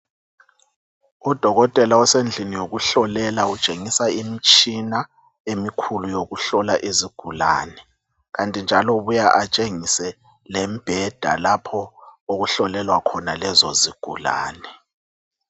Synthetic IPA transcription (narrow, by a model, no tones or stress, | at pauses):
ud̥ʱɔɣɔtʼɛlaɔsend͡ɮʱinijoɣuɬɔlɛlaut͡ʃʼeŋisaimit͡ʃʼina | emikʰulujoɣuɬɔlaʔiziɡ̥ʱula̰ːnɛ | ɣantʼind͡ʒʱalɔβujaʔat͡ʃʼeŋisɛ | lɛmb̥ʱɛd̥ʱa̰lapʰɔoɣuɬɔlɛlwakʰɔnalɛzɔziɡ̥ʱṵla̰ːnɛ